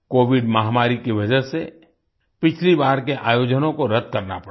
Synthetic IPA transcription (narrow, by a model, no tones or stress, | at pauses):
koːʋɪɖməɦamaːɾikiʋɐd͡ʒəse | pɪt͡ʃʰlibaːɾkeʔaːjoːd͡ʒənõkoɾɐd̪̚ʱkɐɾna̰pɐ